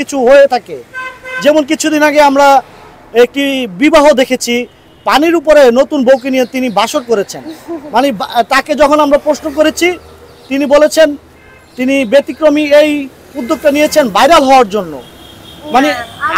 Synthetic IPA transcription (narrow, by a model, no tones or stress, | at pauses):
it͡ɕʰuɦoet̪ʰaked͡ʑemonk̬it͡ɕʰud̪inaɡeamɾa | ek̚ʈibibaɦod̪ekʰet͡ɕʰi | paniɾupoɾenot̪unbʱowk̬inijet̪inibaʃoɾkoɾet͡ɕʰenmanebt̪aked͡ʑɔkʰonamɾapɾosnok̬oɾet͡ɕʰi | t̪inibolet͡ɕʰen | t̪inibet̪ikɾomiej | ud̪ːok̚ʈanijet͡ɕʰenbajɾalɦɔoaɾd͡ʑonːo̰ | mane